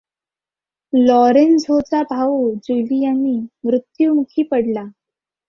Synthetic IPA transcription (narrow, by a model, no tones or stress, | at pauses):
lɔɾensɦot͡sabʱaud͡ʑulijaniːmɾut̪jumukʰiːpəɽla